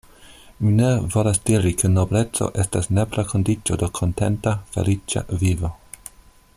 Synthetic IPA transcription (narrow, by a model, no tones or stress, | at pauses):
minevo̞lasdiɾikʰenoble̞t͡so̰ʔe̞stasneplakʰondit͡ʃodokʰontḛntafḛlit͡ʃa̰vivo